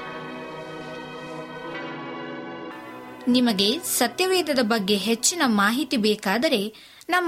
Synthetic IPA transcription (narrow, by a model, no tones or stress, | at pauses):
nimɐɡe̞sɐt̪jɐʋeːd̪ɐd̪ɐbɐɡːe̞ɦet͡ʃːinɐmaːɦit̪ibeːkaːd̪ɐɾe̞ | nɐm